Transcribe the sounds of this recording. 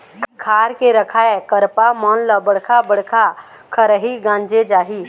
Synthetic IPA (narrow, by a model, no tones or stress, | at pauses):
kʰaːɾkeɾəkʰaekəɾpamɔnləbəɽ̤kʰabəɽ̤kʰa | kʰəɾəɦiɡãːnd͡ʒed͡ʒaːɦi